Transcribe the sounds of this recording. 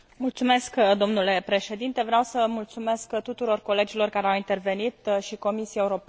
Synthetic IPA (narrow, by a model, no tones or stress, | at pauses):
mult̪sume̞skd̪o̞mnule̞pɾe̞ʃe̞d̪int̪e̞vɾeawsəmult̪sume̞skt̪ut̪uɾo̞rko̞le̞d͡ʒilo̞rkaɾeawint̪e̞rve̞nit̪ʃiko̞misieuɾo̞p